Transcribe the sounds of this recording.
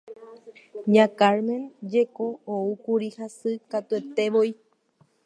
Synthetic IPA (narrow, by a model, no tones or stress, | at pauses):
ɲãkaɾmẽ̞nd͡ʒe̞kooukuɾihasɨkat̪ue̞t̪e̞ʋoj